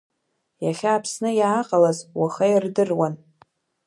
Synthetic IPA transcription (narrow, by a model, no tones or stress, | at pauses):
jaχʲaːpʰsnɨjaːqʼalazwaχajirdɨrwan